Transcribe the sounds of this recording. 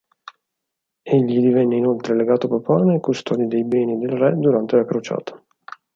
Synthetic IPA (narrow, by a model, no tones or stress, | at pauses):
eʎːid̪ivɛnːeinolt̪ɾeleɡaːt̪opapanekust̪ʰɔːd̪id̪ejbɛːnid̪elrɛd̪uɾant̪elakɾot͡ʃa̰ːt̪ʰḁ